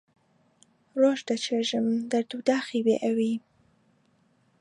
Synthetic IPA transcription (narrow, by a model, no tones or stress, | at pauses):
ɾoʒd̪at͡ʃeʒəmd̪aɾd̪ud̪ɑxiwḛʔawi